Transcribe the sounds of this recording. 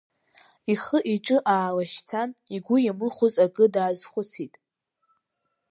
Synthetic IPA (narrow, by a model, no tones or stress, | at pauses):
iχəʔiʈ͡ʂʼɨʔaːlaʃt͡sʰaniɡʷʊjamɨχʷʊzaɡɨdaːzχʷʊt͡sʰitʼ